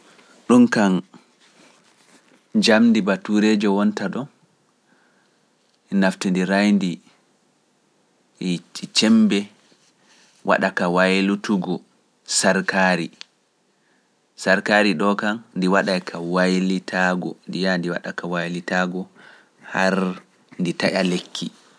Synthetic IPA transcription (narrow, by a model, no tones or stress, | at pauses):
ɗunkan | d͡ʒamndibatuɾed͡ʒɔwɔntaɗɔn | naftindiɾajndi | t͡ʃit͡ʃɛmbɛ | wʔa̰ɗakawajlutuɡɔ | saɾkaɾi | saɾkaɾiɗɔkanndiwaɗajkʰawajlitʰaɡɔ̰ndijandiwa̰ɗakawajlitaɡɔ | haɾ | nditaʔalekʰːi